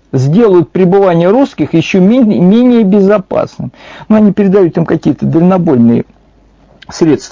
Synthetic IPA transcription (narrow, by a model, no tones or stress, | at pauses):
zʲdʲe̞lˠəjʊt̪̚pɾʲɪbɨvanʲɪjəɾuskʲɪxjɪɕːomʲmʲenʲɪjəbʲɪzɐpa̰snɨmnuɐnʲipʲɪɾʲɪd̪ɐjut̪imkɐkʲijət̪əd̪əlʲɪnɐbo̞lʲnɨjə̰ | sɾʲe̞t̪st̪ə